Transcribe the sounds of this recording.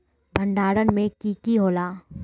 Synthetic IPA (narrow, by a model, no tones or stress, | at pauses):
bʱə̃ɳɖaːɽənmẽkiːkiɦoːlaː